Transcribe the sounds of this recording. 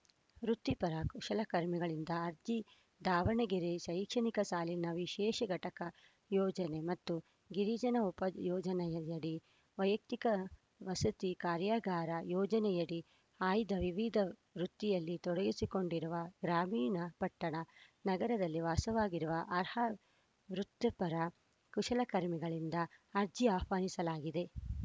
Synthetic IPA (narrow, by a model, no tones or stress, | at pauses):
ɾut̪ːipɐɾaːkuʃɐlɐkɐɾmiɡɐɭind̪ɐːɾd̪i | d̪ʱaːʋɐɳɐɡeɾeʃɐjkʂɐnikɐsaːlinɐʋiʃɛːʃɐɡɐʈɐkɐ | jɔːd͡ʒɐnemɐt̪ːu | ɡiɾiːd͡ʒɐnɐupɐjɔːd͡ʒɐnɛjɐɐɽi | ʋɐjɐk̚t̪ikɐ | ʋɐsɐt̪ikaːɾjaːɡaːɾɐjɔːd͡ʒɐnɛjɐɽi | aːjd̪ɐʋiʋid̪ʱɐʋɾut̪ːijɐlːit̪ɔɽɐɡisiko̞ɳɖiɾuʋɐɡɾaːmiːnɐpɐʈːɐɳɐnɐɡɐɾɐd̪ɐlːiʋaːsɐʋaːɡiɾuʋɐʔɐɾhɐ | ʋɾut̪ːɐpɐɾɐ | kuʂɐlɐkɐɾmiɡɐɭind̪ɐːɾd͡ʒiaːhʋaːnisɐlaːɡid̪e̞